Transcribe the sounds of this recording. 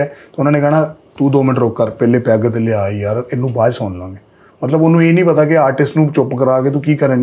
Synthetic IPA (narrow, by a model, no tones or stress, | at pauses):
ɛːt̪oʊnãːneːɡɛːnaː | t̪ũːd̪oːmɪnəʈɾoːkːəɾpɛːleːpɛːɡət̪ːleaːiːjaːɾɪnːũːbaːd͡ʒsɔːnlãːɡeː | mət̪ləbonːũːeːnĩːpət̪aːkɪaːɾʈɪsʈnũːt͡ʃʊpːkəɾaːkeːt̪ũːkiːkəɾẽ